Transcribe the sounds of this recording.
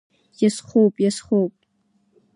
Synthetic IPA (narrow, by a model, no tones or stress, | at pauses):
jasχowpʼjasχowpʼ